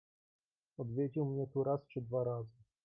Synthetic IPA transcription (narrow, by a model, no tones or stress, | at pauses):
ɔd̪vʲjed͡ʑiwmɲɛt̪uɾast͡ʂɘd̪vaɾazɘ